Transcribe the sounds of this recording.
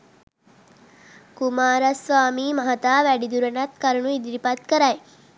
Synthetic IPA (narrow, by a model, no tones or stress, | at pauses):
kumaːɾɐsʋaːmiːmɐɦɐt̪aːʋæɖid̪uɾɐnɐt̪kɐɾunuid̪iɾipɐt̪kəɾɐj